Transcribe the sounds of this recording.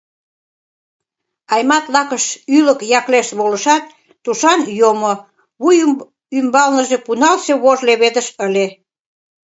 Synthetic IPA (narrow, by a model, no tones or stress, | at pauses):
ɑjmɑt̪lɑkəʃyləkjɑkleʃt̪βoləʃɑt̪̚ː | uʃɑnjomo | βuj | ymbɑlnəʒepunɑlseβoʒleβed̪əʃəle